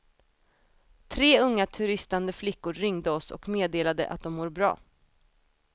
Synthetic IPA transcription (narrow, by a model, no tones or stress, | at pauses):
t̪ʰɾeːɵŋːat̪ʰɵɾɪst̪and̪əflɪkːʊɾːʏŋd̪əɔsɔ̰kmeːd̪eːlad̪ə̰ʔa̰t̪̚d̪ɔmːuːɾbɾɑ̰ː